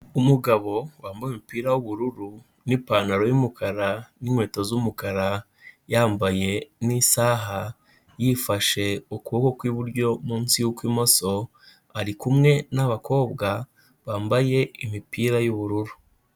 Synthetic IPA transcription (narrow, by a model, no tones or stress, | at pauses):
umuɡaβo̞waːmbajimipiːɾajuβuɾuɾu | nipaːnaɾo̞jimukʰaɾaninwe̞ːtozumukaɾa | jaːmbaje̞nisaːɦa | jifaʃe̞ukuβokokwiβuɾɟo̞muːnsijukwiːmo̞so̞ | aɾikumŋe̞naβakʰo̞ːbɡa | βaːmbaje̞imipiːɾajuβuɾuɾu